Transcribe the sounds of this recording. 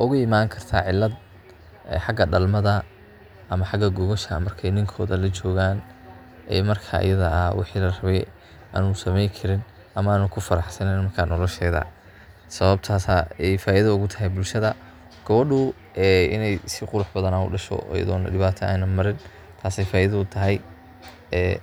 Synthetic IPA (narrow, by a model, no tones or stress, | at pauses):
ʔʊɣʊɪmaːŋkʰɐrt̪ʰaʕɪlːɐd̪ | ɛħɑɡɐɗɐlmɐðɐ | ʔɐmɐħɑɡɐɡɔɣɔʃɐ̰mɐrkʰɛjnɪŋkʰɔːðɐlɐt͡ʃɔːɣaːn | ʔɛ̰ːmɐrkʰa̰ːʔjɐðɐɐwɪ̰ħiːlɐrɐβɛj | ʔa̰ːnʊsɐmɛjkʰɐɾɪn | ʔɐmɐaːnukʰʊfɐɾɑħsɐnɛnmɐrkʰaːnɔlɔʃɛːðɐ̰ | sɐβɐb̚t̪ʰaːsaɛjfaːʔɪðɐʊɣʊt̪ʰɐɦɛjbʊlʃɐðɐ | ɡ̥ɐβɐɖʊ | ʔɛːʔɪ̰nɛjsɪqʊɾʊħbɐðɐnaʊ̰ɖɐʃɔ̰ɔ̰jɐ̰ðɔ̰ːnɐɖɪβaːt̪ʰɐa̰ːnɐmɐɾɪn | t̪ʰaːsɛjfaːʔɪðɐʊt̪ʰɐɦɛj | ɛː